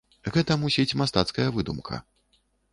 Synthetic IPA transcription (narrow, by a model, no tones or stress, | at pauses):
ɣɛt̪ɐmusʲit͡sʲmast̪at̪skɐjɐvɨd̪umkʰɐ̰